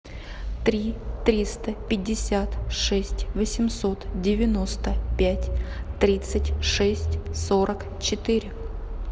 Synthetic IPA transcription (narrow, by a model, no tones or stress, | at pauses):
t̪ɾʲit̪ɾʲist̪əpʲɪdʲːɪsʲat̪ʂɛsʲtʲvəsʲɪmso̞t̪dʲɪvʲɪno̞st̪əpʲætʲt̪ɾʲit̪sɨtʲʂɛsʲtʲsoɾək | t͡ɕɪt̪ɨɾʲɪ